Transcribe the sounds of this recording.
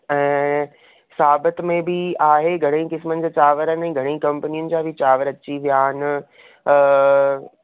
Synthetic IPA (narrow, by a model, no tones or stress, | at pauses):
ɛ̃ː | saːbət̪mẽbɪaːɦeɡʱɐɽ̃ĩkɪsmənɪd͡ʑaːt͡ɕaːʋəɾənɪɛ̃ːɡʱɐɽ̃ĩːkɐ̃mpənijʊnɪ̆d͡ʑaːbʱɪt͡ɕaːʋəɾɐt͡ɕiʋijaːɪnː